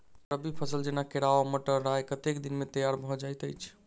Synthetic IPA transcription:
pəbipʰəsəld͡ʒenakeɾaʋaməʈəɾɾajkət̪ekd̪inmet̪əjaɾbʱɔd͡ʒajt̪əjt͡ʃʰ

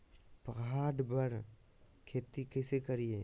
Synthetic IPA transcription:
pɐɣaːɖbəɾ | kʰeːt̪ikɪsekəɾieː

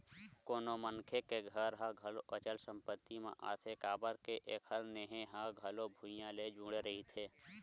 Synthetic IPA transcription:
koːnomənkʰekeɡʱəɾɦãɡʱəloʔət͡ʃəlsə̃mpət̪ːimḛ̃ʔa̰ːt̪ʰekaːbəɾkeʔeːkʰəlneːɦeɦãɡʱəlobʱũjãled͡ʒũːɽeɾəɦit̪ʰeː

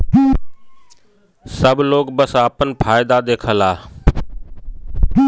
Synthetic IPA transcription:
səbʱloːkbəsaːpənpʰaːɪd̪ad̪eːkʰəlaː

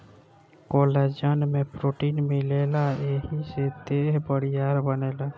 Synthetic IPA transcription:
koːled͡ʒənmẽpɾoːʈinmeleːlaeɦised̪eɦbəɽijaːɾbəneːla

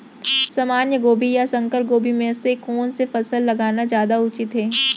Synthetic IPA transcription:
sɐmaːnjəɡoːbʱijasɐ̃ŋkəɾp̚ɡoːbʱimẽɪsːekɔːnsefɐsəlːɐɡaːnazjaːd̪aʊt͡ʃɪt̪ɦeː

